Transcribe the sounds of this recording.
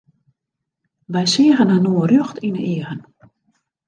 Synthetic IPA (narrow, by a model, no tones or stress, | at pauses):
ʋɛjsiəɣənənoːrøxtinəiəɣən